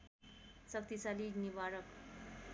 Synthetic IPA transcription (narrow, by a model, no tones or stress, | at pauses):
sʌk̚t̪isalid͡ʒnibaɾʌk